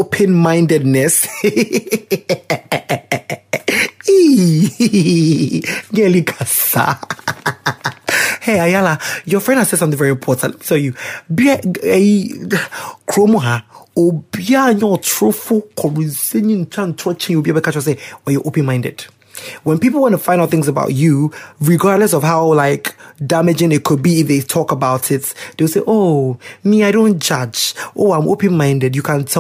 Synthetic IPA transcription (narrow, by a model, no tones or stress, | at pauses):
opʰɛ̃nmãɪ̃ndɛdnɛs | i | ɲɛlikʰasa̰ | heajalajɔfɹɛ̃ndhasɛdsmt̪θɪ̃vɛɹiɪ̃mpʰɔtʰãntsojubɛeji | kʰɾomʊ̃ɦaobianɔtʰɹ̥ofʊkʰɔɹisɛ̃nĩntʰãntʰɔt͡ʃɪ̃njobiabɛkat͡ʃɔs̬ewajɔʔopɨ̃nmãɪ̃ndɨ̰d̥ | wɛ̃npipl̩ˠwɔ̃nəfãɪ̃ndaʊθɪ̃ŋzəba̰ʊt͡ʃuɹiɡaɹdlɛs̬ɔv̥ɦaʊlaɪkdamɪd͡ʒɪ̃ŋɪt̚kʰʊd̚biːfðeɪtʰɔkəbaʊtʰɪtðeɪwɪlˠseɪʔoʊmiaɪɾõʊ̃nd͡ʒʌd͡ʒʔoːãɪ̃mʔo̰pɨ̃nmãɪ̃ndɨdjukʰãntʰɛ